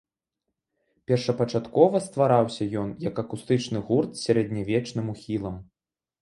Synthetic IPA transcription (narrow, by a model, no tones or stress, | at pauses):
pʲɛrʂɐpɐt͡ʂat̪kɔvɐst̪vaɾawsʲɐjɔnjɐkɐkust̪ɨt͡ʂnɨɣurt̪sʲaɾɛd̪ʲnʲavʲɛt͡ʂnɨmuxʲilˠɐm